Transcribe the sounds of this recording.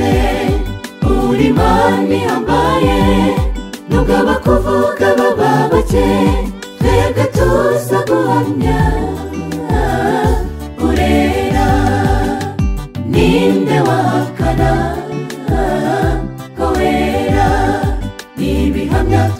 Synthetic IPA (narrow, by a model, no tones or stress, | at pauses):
e | uɾimaniambaje | nuɡaβakuvuɡaβaβaβat͡ʃe | tejaɡat̪usaɡuhamɲa | uɾeɾa | nind̪awaakana | koweɾa | niβiɦamɲa